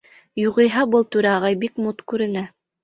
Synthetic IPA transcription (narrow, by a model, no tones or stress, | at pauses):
juʁɤ̆jɦɑbɤlˠt̪ʉɾæɑʁɑjbikmut̪kʉɾɘ̆næ